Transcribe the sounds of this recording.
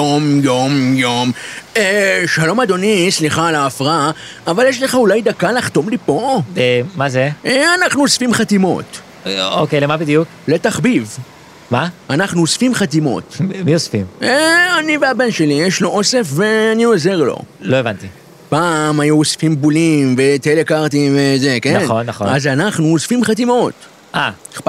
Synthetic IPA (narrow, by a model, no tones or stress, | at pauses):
jomjomjomeʃalo̞mad̪o̞nisliχalaːfʁaavaljeʃle̞χaulajd̪akalaχt̪o̞mlipo̞emazeeanaχnuosfimχat̪imo̞̰t̪ | okejlemabid̪juk | le̞t̪aχbiv | maanaχnuosfimχat̪imo̞̰t̪miosfimeaniveabe̞nʃe̞lijeʃloʔo̞se̞fve̞anio̞ze̞ʁlo̞̰lo̞evant̪i | pamajuosfimbulimve̞t̪elekaʁt̪̬imve̞zekenanonːaχonazanaχnuosfimχat̪imo̞t̪ | ʔa